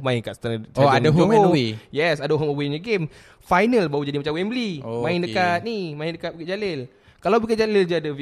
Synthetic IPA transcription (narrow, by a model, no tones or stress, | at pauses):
mãɪŋkaʔst̪aɾat͡ʃoadaɦuowijɛsadaɦɔməwiɲəɡem | fajnəlbaud͡ʒadimat͡ʃamwɛmblimãɪndəkat̪̚nimaɪndəkat̪̚bəkɪt̪̚d͡ʒalɪl | kalawbəkɪt̚d͡ʒalɪld͡ʒaadə